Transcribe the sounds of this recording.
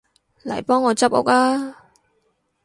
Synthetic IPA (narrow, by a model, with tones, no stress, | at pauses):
lɐ̰˨˩jpɔː˥ŋːɔː˨˧t͡sɐ˥p̚ʊ̰˥k̚laː˥